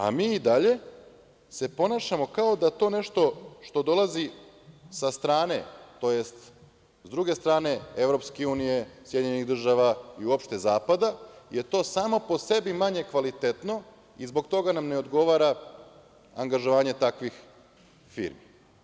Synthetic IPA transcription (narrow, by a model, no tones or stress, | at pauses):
a̰miːid̪aʎe̞ | se̞po̞naːʃamo̞kao̞d̪at̪o̞ne̞ʃt̪o̞ʃt̪o̞d̪o̞lˠazi | sast̪ɾaːne̞t̪o̞je̞st̪ | zd̪ɾuɡe̞st̪ɾaːne̞eʋɾo̞pskeuːnije̞sjeiɲeniɣd̪r̩ʒaʋaiuopʃt̪e̞zaːpad̪aje̞t̪o̞ːsaːmo̞po̞se̞bimaɲe̞kʋalit̪e̞t̪no̞ | izbo̞ɡt̪o̞ɡanamneo̞d̪ɡo̞ʋaːɾa | aŋɡaʒoʋaːɲe̞t̪akʋix | fḭːɾmi